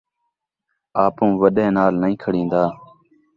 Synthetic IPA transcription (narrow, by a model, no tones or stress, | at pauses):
aːpũːʋəɗẽːnaːlnəĩːkʰəɽĩːnd̪aː